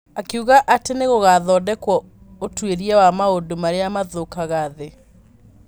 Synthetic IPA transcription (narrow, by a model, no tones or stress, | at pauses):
akeuɣaʔateneɣoɣaðɔːdɛkwɔ | otweɾiɛwamaodomaɾeamaðokaɣaðe